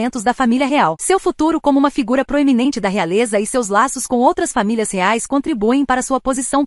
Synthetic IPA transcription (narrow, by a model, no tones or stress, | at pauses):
ẽnt̪ʊzd̪ɐfamiliɐɦeawsewfut̪uɾʊkõmʊũmɐfiɡuɾɐpɾoeminẽnt͡ʃɪd̪ɐɦealezɐɪsewzlasʊskõw̃owt̪ɾɐsfamilʲiɐsheajskõnt̪ɾibuẽj̃paɾɐsuɐpozisɐ̃w̃